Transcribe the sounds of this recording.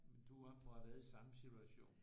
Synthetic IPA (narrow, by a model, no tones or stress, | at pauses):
mend̥uʋɑ̈ʋɛːðˠisɑ̈məsit͡sʰuæɕo̝̰ːn